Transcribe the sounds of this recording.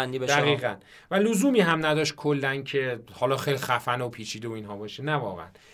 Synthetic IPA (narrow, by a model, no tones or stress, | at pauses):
nd̪iːbed̪æɣiiːɣæn | væluzuːmiːɦæmnæd̪ɒːʃt̪̚kʰolːæncʰe̞hɒːlɒːxejlixæfænopʰiːt͡ʃʰiːd̪eoiːnɦɒːbɒːʃenævɒ̰ːɣḛæ̰n